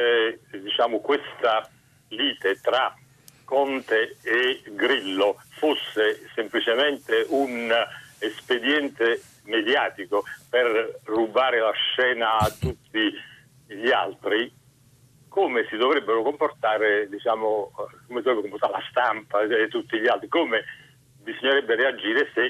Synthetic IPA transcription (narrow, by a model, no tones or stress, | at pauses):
d̪it͡ʃaːmʊkwest̪a | liːt̪et̪ɾa | kːɔnt̪eː | ɡɾilːofosːesemplit͡ʃement̪eʔunesped̪jɛnt̪e | med̪jaːt̪ikoperrːubaːɾɪlaʃːɛːnaːt̪ːut̪ʰːi | ʎia̰lt̪ɾi | koːmesid̪ovɾɛbːeɾʊkomport̪aːɾed̪it͡ʃaːmʊkomesd̪ovɾɛbːɾkomport̪aɾelast̪ampaet̪ːut̪ːiʎialt̪ɾikoːme | bizoɲːeɾɛbːeɾead͡ʒːiːɾɪse